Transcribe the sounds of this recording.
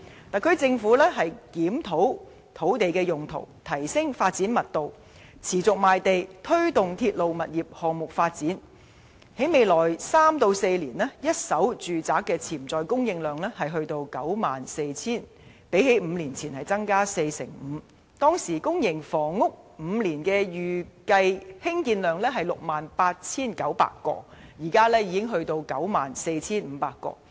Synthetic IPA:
t̪aː˨kʰɵ˧ɥt͡sɪ˧ŋfuː˨˥lɛː˥ɦɐ˨jkiː˨˥mt̪ʰo˨˥w | t̪ʰo˨˥wt̪e˨jkɛː˧jʊ˨ŋt̪ʰo̰˨˩wt̪ʰɐ˨˩jsɪ˥ŋfaː˧t̚t͡siː˨˥nmɐ˨t̚t̪o˨w | t͡sʰiː˨˩t͡sʊ˨k̚maː˨jt̪e˨jt̪ʰɵ˥ɥt̪ʊ˨ŋt̪ʰiː˧t̚lo˨wmɐ˨t̚jiː˨˩p̚hɔː˨ŋmʊ˨k̚faː˧t̚t͡siː˨˥n | he˨˥jme˨jlɔː˨˩jsaː˥mt̪o˧wse˧jliː˨˩nlɛː˥jɐ˥t̚sɐ˨˥wt͡ʃyː˨t͡saː˨˥kːɛː˧t͡sʰiː˨˩mt͡sɔː˨jkʊ˥ŋjɪ˧ŋlœː˨ŋlɛː˥hɐ˨jɦɵ˧ɥt̪o˧wkɐ˨˥wmaː˨nse˧jt͡sʰiː˥˩n | pe˨˥jhe˨˥jm̩˨˧liː˨˩nt͡sʰiː˨˩nhɐ˨˩jt͡sɐ˥ŋkaː˥se˧jsɪ̰˨˩ŋm̩ː˨˧ | t̪ɔː˥ŋsiː˨˩kʊ˥ŋjɪ˨˩ŋfɔː˨˩ŋːʊ˥k̚ | m̩˨˧liː˨˩nkɛː˧jyː˨kɐ˧jhɪ˥ŋkiː˧nlœː˨˩ŋlɛː˥ɦɐ˨jlʊ˨k̚maː˨npaː˧t̚t͡sʰiː˥nkɐ˨˥wpa̰ː˧kːɔ̰ː˧jiː˨˩kaː˥lɛː˥jiː˨˧kɪ˥ŋɦɵ˧ɥt̪o˧wkɐ˨˥wmaː˨˩nse˧jt͡sʰiː˥nm̩˨˧paː˧kːɔ̰ː˧

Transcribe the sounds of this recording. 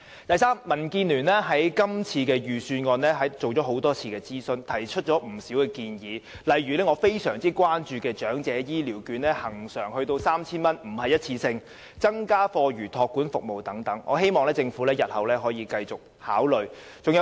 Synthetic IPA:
t̪ɐ˨jsaː˥mːɐ˨˩nkiː˧nlyː˨˩nlɛː˥ɦɐ˨˥jkɐ˥mt͡sʰiː˧kɛː˧jyː˨syː˧nŋɔː˧nlɛː˥ɦɐ˨˥t͡so˨wt͡ʃɔː˨˥ɦo˨˥wt̪ɔː˥t͡sʰiː˧kɛː˧t͡siː˥sɵ˧nt̪ʰɐ˨˩jt͡ʃʰɵ˥t̚t͡ʃɔː˨˥m̩˨˩siː˨˥wkɛː˧kiː˧njiː˨˦ | lɐ˨˧jɥyː˨˩lɛː˥ŋɔː˨˧fe˥jsœː˨˩ŋt͡siː˥kʷwaː˥nt͡ʃyː˨˧kɛː˧t͡ʃœː˨˥ŋt͡sɛː˨˧˥jiː˥liː˨˩wkyː˨˧nlɛː˥hɐ˨˩ŋsœː˨˩ŋhɵ˧t̪o˧wsaː˥mt͡sʰiː˥nmɐ˥nm̩˨˩ɦɐ˨jɐ˥t̚t͡sʰiː˧sɪ˧ŋ | t͡sɐ˥ŋkaː˥fɔː˧ɥyː˨˩t̪ʰɔː˧kːuː˨˥nfʊ˨k̚mo˨wt̪ɐ˨˥ŋt̪ɐ˨˥ŋʔɔː˨˧ɦe˥jmɔː˨ŋlɛː˥t͡sɪ˧ŋfu˨˥lɛː˥jɐ˨t̚hɐ˨wlɛː˥ɦɔː˨˥jiː˧kɐ˧jt͡sʊ˨k̚ | haː˨˥wlɵ˨ɥt͡sʊ˨ŋjɐ˧

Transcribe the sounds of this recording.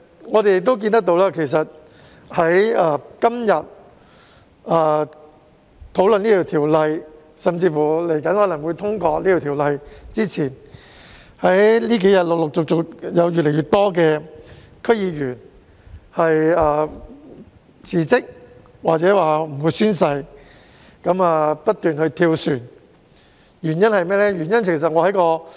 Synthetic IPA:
ŋɔː˨˧e˨jɪ˨k̚t̪o˥wk̬iː˧nt̪ɐ˥k̚t̪o˧wlaː˥kʰe˨˩js̬ɐ˨t̚ | hɐ˨˥jɐː˧kɐ˥mjɐ˨t̚ | ɐː˧ | t̪ʰo˨˥wlɵ˨niː˥ɔ˨˩t̪ʰiː˨˩wlɐ˧j | sɐ˨mt͡siː˧fu˨˩le˨˩jkɐ˨˥nhɔː˨˧˥lɐ˨˩ŋwu˨˧jt̪ʰʊ˥ŋkɔː˧liː˥t̪ʰu˨˧t̪ʰiː˨˩wlɐ˧jt͡siː˥t͡sʰiː˨˩n | hɐ˨˥jliː˥k̬e˨˥jɐ˨t̚lk̚lʊ˨k̚t͡sʊ˨k̚t͡sʊ˨k̚jɐ˨˧wjyː˨t̚lɛ˨˩jɥyː˨˩t̪̚ɔː˥kɛː˧ | kʰɵ˥ɥjiː˧jyː˨˩n | hɐ˨jɐː˧˩ | t͡sʰiː˨˩t͡sɪ˥k̚ | waː˨t͡sɛː˨˥waː˨˩m̩˨˩wu˨˧jsyː˥nsɐ˧j | kɐ˨˥maː˨˧pɐ˥t̚t̪yː˨nhɵ˧ɥt̪ʰiː˧wsyː˨˩n | jyː˨˩njɐ˥nhɐ˨jmɛː˥lɛː˥jyː˨˩njɐ˥nt͡sʰɪ˨˩sɐ˨t̚ŋɔː˨˧hɐ˨˥jkɔː˧

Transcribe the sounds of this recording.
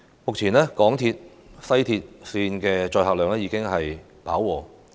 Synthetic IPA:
mʊ˨k̚t͡sʰiː˨˩nlɛː˥kɔː˨˥ŋt̪ʰiː˧t̚ | sɐ˥jt̪ʰiː˧t̚siː˧nkɛː˧t͡ʃɔː˧jhaː˨k̚lœː˨˧ŋlɛː˥jiː˨˧kɪ˥ŋɦɐ˨j | pa̰ː˨˥wːɔː˨˧

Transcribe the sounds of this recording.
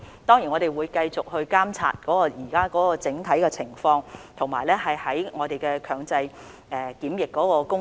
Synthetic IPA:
t̪ɔː˥ŋjiː˨˩nŋɔː˨˧ɾe˨jwuː˨˧jkɐ˧jt͡sʊ˨k̚hɵ˧ɥkaː˥mt͡sʰa̰ː˨t̚kɔː˨˥kɔː˧jiː˨˩kaː˥kɔː˨˥kɔː˧t͡sɪ˨˥ŋt̪ʰɐ˨˥jkɛ˧t͡sʰɪ˨˩ŋfɔː˧ŋt̪ʰʊ˨˩ŋmaː˨˩jlɛː˥hɐ˨jhɐ˨˥jŋɔː˨˧t̪e˨jkɛː˧kʰœː˨˧ŋt͡sɐ˧j | ʔɛː˨kiː˨˥mjɪ˨kːɔː˨˥kɔː˧kʊ˥ŋ

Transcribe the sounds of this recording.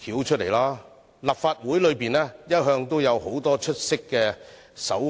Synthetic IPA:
kʰiː˨˥wt͡ʃʰt̚le˨˩jlaː˥ | lɐ˨p̚faː˧t̚wuː˨˥jlɵ˨˧ɥpiː˨nɛː˥jɐ˥t̚ɦœː˧ŋt̪o˥wjɐ˨˧who˨˥wt̪ɔː˥t͡ʃʰɵ˥t̚sɪ˥kːɛː˧sɐ˨˥w

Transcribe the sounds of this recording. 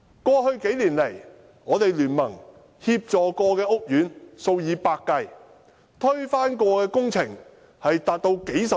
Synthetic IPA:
kʷɔː˧hɵ˧ɥke˨˥jliː˨˩nle˨˩j | ŋɔː˨˧t̪e˨jlyː˨˩nmɐ˨˩ŋ | hiː˧p̚t͡sɔː˨kɔː˧kɛː˧ʔʊ˥k̚jyː˨˥nso˧wjiː˨˧paː˧kːɐ˧j | t̪ʰɵ˥ɥfaː˥nkɔː˧kɛː˧kʊ˥ŋt͡sʰɪ˨˩ŋ | hɐ˨jt̪aː˨t̚t̪o˧wke˨˥jsɐ˨

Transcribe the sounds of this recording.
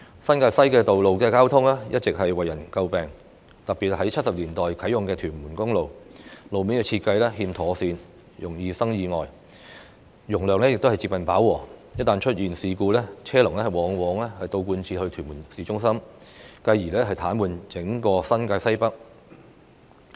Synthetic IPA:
sɐ˥nkaː˧jsɐ˥jkɛː˧t̪o˨wlo˨wkɛː˧kaː˥wt̪ʰʊ˥ŋlɛː˥jɐ˥t̚t͡sɪ˨k̚hɐ˨jwɐ˨jːɐ˨˩nkɐ˧wpɛː˨˩ŋ | t̪ɐ˨k̚piː˨t̚hɐ˨˥jt͡ɕʰɐ˥t̚sɐ˨p̚liː˨˩nt̪ɔː˨jkʰɐ˨˥jʊ˨ŋkɛː˧t̪ʰyː˨˩nmuː˨˩nkʊ˥ŋlo˨wlo˨wmiː˨˥nkɛː˧t͡sʰiː˧t̚kɐ˧jlɛː˥hiː˧mt̪ʰɔː˨˥siː˧n | jʊ˨˩ŋjiː˧sɐ˥ŋjiː˧ŋɔː˨j | jʊ˨˩ŋlœː˨ŋlɛ˥jɪ˨k̚t̪o˥whɐ˨jt͡si˧p̚kɐ˨npaː˨˥wɔː˨˩jɐ˥t̚t̪aː˨nt͡ʃʰɵ˥t̚jiː˨nsiː˨kuː˧lɛː˥t͡sʰɛː˥lʊ˨ŋlɛː˥hɐ˨˩jwɔː˨˥ŋwɔː˨˥ŋlɛː˥hɐ˨jt̪o˧wkuː˧nt͡sʰiː˧hɵ˧ɥt̪ʰyː˨˩muː˨˩nsiː˨˥t͡ʃʊ˥ŋsɐ˥mkɐ˧jːiː˨˩lɛː˥ɦɐ˨jt̪ʰaː˨˥nmuː˨nt͡sɪ˨˥ŋkɔː˧sɐ˥nkaː˧sɐ˥jpɐ˥k̚

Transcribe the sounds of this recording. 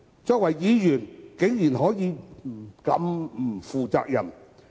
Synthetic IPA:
t͡ʃɔː˧k̚wɐ˨˩jːiː˨˧jyː˨˩nkɪ˨˥ŋjiː˨˩nhɔː˨˥jiː˨˧m̩˨kɐ̰˨˧m̩˨˩fuː˨t͡sa̰ː˧k̚jɐ˨˩m

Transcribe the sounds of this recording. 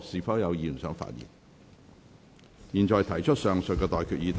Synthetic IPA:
siː˨˥fɐː˨˥wjɐ˨˧wjiː˨˩˨sœː˨˥ŋfa̰ː˧t̚jḭ˨˩n | jiː˨˩nt͡ʃɔː˨jt̪ʰɐ˨˩jt͡ʃʰt̚sœː˨ŋsɵ˨t̚kːɛː˧t̪ɔː˨jkʰyː˨t̚jiː˨˧t̪ʰ

